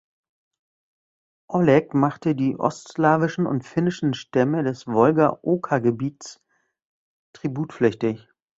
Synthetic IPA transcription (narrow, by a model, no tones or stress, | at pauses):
ʔɔlɛkmaχtədiːʔɔ̰stslaːvɪʃn̩ʊ̰ntfɪnɪʃn̩ʃtɛmədɛsvɔlɡɐʔoːkʰaɡəbiːts | tʁ̥ibuːtflɛçtɪç